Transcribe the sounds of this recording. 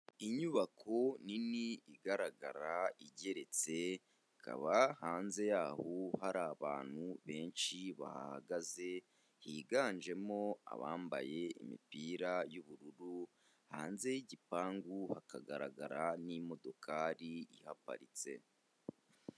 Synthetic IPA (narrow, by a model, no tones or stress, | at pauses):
iɲuβakʰo̞niniːɡaɾaɡaɾaiɟe̞ɾe̞t͡se̞ | kʰa̰βahaːnze̞jaːhohaɾaːβa̰ːn̥huβe̞ːnʃiβa̰ha̰ha̰ɡaze̞ | hiːɡaːnʒe̞mo̞a̰βa̰ːmba̰je̞ḭmḭpiːɾajuβuɾuɾu | ha̰ːnze̞jiɟipaːŋɡuhakaɡaɾa̰ɡaɾanimo̞do̞kʰaːɾiihapa̰ɾit͡se̞̰